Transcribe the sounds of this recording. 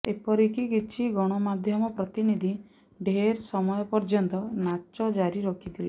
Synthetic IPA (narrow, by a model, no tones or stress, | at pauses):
epɔɾikikit͡ʃʰiɡɔɽ̃ɔmad̪ʱjɔmɔpɾɔt̪inid̪ʱi | ɖʱeɾsɔmɔjɔpɔɾd͡ʒɔnt̪ɔnat͡ʃɔd͡ʒaɾiɾokʰit̪ʰile